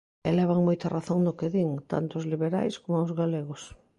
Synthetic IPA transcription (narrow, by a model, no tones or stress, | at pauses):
elɛβ̞aŋmojt̪araθoŋd̪okeðiŋt̪a̰nt̪oːzliβeɾa̰jskomʊaozɣaleɣos